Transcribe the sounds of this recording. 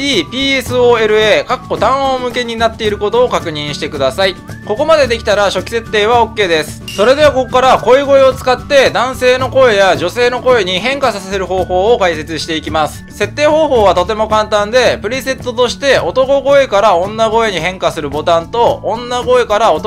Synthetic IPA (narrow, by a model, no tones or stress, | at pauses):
iːpʲiːesɨoːe̞ɾɯ̟eːkakːo̞t̪ãɰ̃oːmɯ̟ke̞ɲ̟inat̪ːe̞iɾɯ̟ko̞t̪o̞ːkakɯ̟ɲ̟ĩɰ̃ɕi̥t̪e̞kɯ̟d̪asaiko̞ko̞mad̪e̞d̪e̞kʲi̥t̪aɾaɕo̞kʲi̥se̞t̪ːe̞ːβ̞ao̞kːe̞ːd̪e̞sɨ̥so̞ɾe̞d̪e̞βako̞kːaɾako̞eɡo̞e̞o̞t͡sɨ̥kat̪ːe̞d̪ãɰ̃se̞ːno̞ko̞e̞jaʑo̞se̞ːno̞ko̞e̞ɲ̟iɦẽ̞ŋkasasase̞ɾɯ̟ɦo̞ːho̞ːkaise̞t͡sɨɕi̥t̪e̞ikʲimasɨ̥se̞t̪ːe̞ːho̞ːɦo̞ːβat̪o̞t̪e̞mo̞kãnt̪ãnd̪e̞pɯ̟ɾʲise̞t̪ːot̪o̞ɕi̥t̪e̞o̞t̪o̞ko̞ɡo̞e̞kaɾaõ̞nːaɡo̞e̞ɲ̟iɦẽ̞ŋkasɨɾɯ̟bo̞t̪ãnt̪õ̞ːnːaɡo̞e̞kaɾaot̪